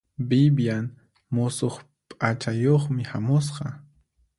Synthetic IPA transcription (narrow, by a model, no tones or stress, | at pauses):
bɪbjan | mʊsoχ | pʼat͡ʃajoχmɪhamʊs̬qɑ